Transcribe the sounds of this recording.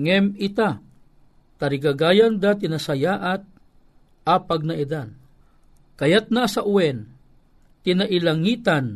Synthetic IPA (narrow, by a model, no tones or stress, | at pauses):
ŋɛmɪt̪a | t̪aɾɪɡaɡaːjand̪at̪̬ɪnasajaʔat̪̚ | apaɡ̚naʔid̪an | kajat̪̚nasaʔʊwɛn | t̪ɪnaʔilaŋit̪an